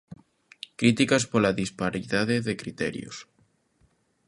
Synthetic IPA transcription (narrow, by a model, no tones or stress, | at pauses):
kɾit̪ikaspolaðispaɾiðaðeðekɾit̪ɛ̰ɾjo̰s